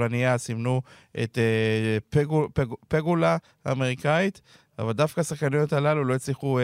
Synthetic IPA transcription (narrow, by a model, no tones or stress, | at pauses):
lanijasimnu | ʔḛt̪e | peɡula | a̰me̞ʁikait̪ | a̰vald̪afkasaχkanojot̪alalulo̞jet͡sliχu